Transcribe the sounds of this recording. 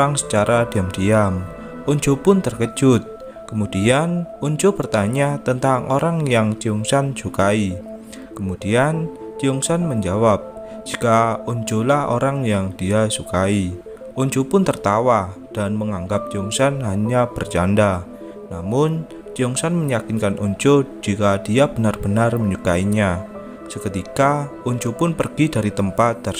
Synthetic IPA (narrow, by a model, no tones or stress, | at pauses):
aŋsə̥t͡ʃaɾʔad̥iamd̥iam | uɲd͡ʒopʊnt̪ərkə̥d͡ʒ̥ʊt̪̚ | kəmud̥ianuɲd͡ʒopərt̪aɲat̪ənt̪aŋoɾaŋjaŋt͡ʃiuŋsansukai | kəmud̥iant͡ʃiuŋsanməɲd͡ʒawap̚ | d͡ʒ̥ikauɲd͡ʒolaho̰ɾaŋjaŋd̥iasukai | oɲd͡ʒopʊnt̪ərt̪awad̥anməŋaŋɡap̚t͡ʃiuŋsanɦaɲab̥ərd͡ʒanda | namʊn | t͡ʃiuŋsanməɲakɪnkanʔuɲt͡ʃod͡ʒ̥ikad̥iab̥ənarb̥ənarməɲukaiɲa | səkət̪ika | uɲd͡ʒopʊnpərɡ̥idaɾit̪əmpat̪̚d̪ar